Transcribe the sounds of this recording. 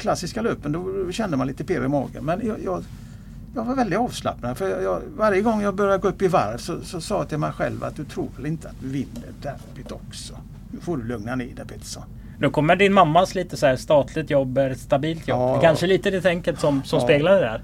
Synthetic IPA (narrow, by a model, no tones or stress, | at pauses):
kʰlasːɪskaløːpːənd̪ɔɔɕɛnd̪əmanliːt̪əpʰeːɾɪmɑ̰ːɡə̰nmɛnjɑjɑ | jɑɡvaɾvɛld̪ɪt̪ɑːvsla̰pnad̪əfœjɑvaɾjəɡɔŋːjɑɡbœɾjaɡoːɵpːɪva̰ɾvsɔsɔsɑːt̪ʰɪlmɛjɧɛ̰lva̰t̪̚d̪ɵt̪ʰɾṵːɾvɛlɪnt̪əat̪̚d̪ɵvɪnːə̰ɖæɾpɪt̪ɔksɔ | hfoːɖɵlɵŋnanḛːd̪ɛpʰɪt̪sɔ | d̪okʰɔmːəɖɪnmamːasliːt̪əsɔæːɾst̪ɑːt̪ʰlɪɡt̪jɔbːɛɾɛt̪st̪abiːlt̪jɔbkʰanʂəliːt̪əd̪ɛt̪ʰɛŋkəlt̪sɔmsɔmspeːɡlad̪ɛd̪æɾ